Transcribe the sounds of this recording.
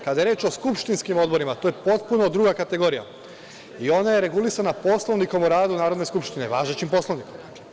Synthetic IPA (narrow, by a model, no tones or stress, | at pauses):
kad̪ajeɾeːt͡ʃo̞skupʃt̪inskimo̞d̪bo̞ɾimat̪oːje̞po̞t̪puno̞d̪ɾuːɡakat̪e̞ɡo̞ɾija̰ | io̞naje̞ɾe̞ɡulisanapo̞slˠo̞ʋniko̞muɾaːd̪unaːɾod̪ne̞skupʃt̪ine̞ʋaːʒet͡ɕimpo̞slˠoʋnikoma